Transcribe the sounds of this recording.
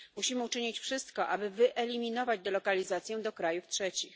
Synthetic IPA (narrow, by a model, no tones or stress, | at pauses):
muɕimɘut͡ʂɘɲit͡ɕfʂɘst̪kɔʔabɘvɘʔɛlʲimʲinɔvad͡ʑd̪ɔlɔkalʲizat̪sʲjɛd̪ɔkɾajuftʂɛt͡ɕix